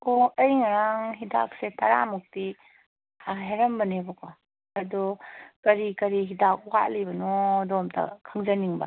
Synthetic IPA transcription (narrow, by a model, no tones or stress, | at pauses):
ɔɐjŋaɾaŋɦida̰k̚setʰɐɾa̰muk̚ti | ɦeɾɐmbɐnebɐkʰɔ | ɐdɔkɐɾikɐɾiɦidak̚uwalibɐnɔdɔmtɐ̰kʰaŋzɐniŋbɐ̰